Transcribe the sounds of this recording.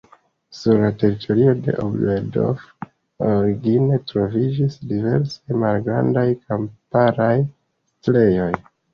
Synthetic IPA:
suɾlate̞ɾitʰo̞ɾio̞de̞̰ʔo̰bedo̰v | oɾiɡine̞tɾo̞vid͡ʒisdive̞̰ɾsajmalɡɾa̰ndajkampaɾaj | stle̞jo̞j

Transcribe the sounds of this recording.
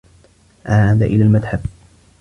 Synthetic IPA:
ʔaʕad̪aʔɪlaːlmad̪ħab

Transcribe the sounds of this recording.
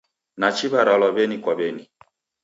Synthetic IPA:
nat͡ʃiβaɾalwaβɛnikwaβɛni

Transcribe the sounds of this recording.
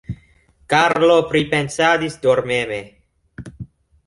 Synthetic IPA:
kaɾlopɾipe̞nsad̪isd̪oɾmeme

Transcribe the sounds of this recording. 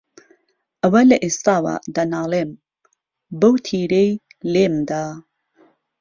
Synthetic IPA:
ʔɐwɐlɐʔest̪aːwa̰d̪anaːlem | bɐwt̪ʰiːɾej | lemd̪a

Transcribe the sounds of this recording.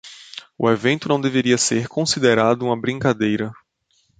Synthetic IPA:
ʊ̰evẽnt̪ʊnɐ̃w̃d̪eveɾiɐseɾkõsid̪eɾad̪ʊũmɐbɾĩŋkad̪ejɾɐ

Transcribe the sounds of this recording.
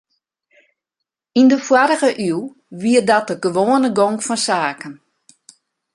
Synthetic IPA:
indəfwaɾəɣəʔy | ʋiər̚dɔt̚dəɡəʋoːənəɡoŋkfɔnsaːkən

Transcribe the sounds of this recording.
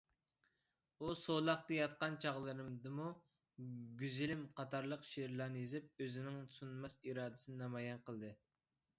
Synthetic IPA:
usolˠɑχt̪ɨjɑt̪̚qɑnt͡ʃʰɑʁlˠɨɾɨmd̪ɨmu | ɡʲyzɪlɪmqʰɑt̪ʰɑɾlˠəqʃeɾlˠɑnɨjizɪp̚øzɪnɪŋsunmɑsiɾɑːd̪ɪsɨnɨnɑmɑjɛnqəlˠd̪ɨ

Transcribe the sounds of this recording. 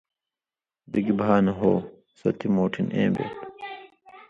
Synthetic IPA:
d̪iɡibʱaːnɐɦo̰ː | sɐ̰t̪ʰimoːʈʰinḛ̃ːbḛːt̪

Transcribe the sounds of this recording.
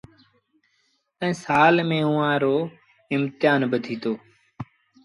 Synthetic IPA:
ɛ̃ːsaːlmẽːũːãːɾoː | ɪmt̪ɪjaːnbəd̪ʱiːt̪oː

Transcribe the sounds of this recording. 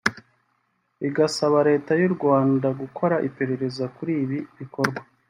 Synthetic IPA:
iɡasaβaɾe̞ːtajuɾɡwaːndaɡukʰo̞ɾaʔipe̞ɾe̞ɾe̞zakuɾiːβiβiko̞ɾɡwa

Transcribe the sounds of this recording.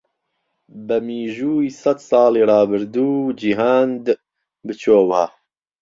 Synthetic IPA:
bɨmiːʒuːisɛt̪sɑːliːrɑːbɨɾd̪uːd͡ʒiɦaːnd̪ | bɨt͡ʃʰoːwaː

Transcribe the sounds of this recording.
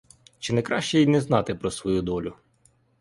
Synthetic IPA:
t͡ʃɪnɛkɾɑʃt͡ʃɛjinɛznɑt̪ɪpɾɔsʋɔjud̪ɔlʲʊ

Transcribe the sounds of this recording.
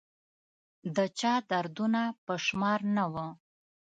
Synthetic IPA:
d̪ət͡ʃɑd̪aɾd̪unapəʃmɑɾnawə

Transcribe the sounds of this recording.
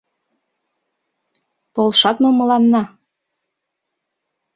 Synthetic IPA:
polˠʃɑt̪momɤ̆lɑnːɑ

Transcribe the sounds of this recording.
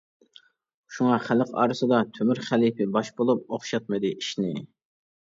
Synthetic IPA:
ʃuŋɑχæləqɑ̰ːɾɨsɨd̪ɑt̪ʰømyɾχælipɪbɑʃbolˠup̚oχʃɑt̪̚mɨd̪ɨʔiʃnɪ

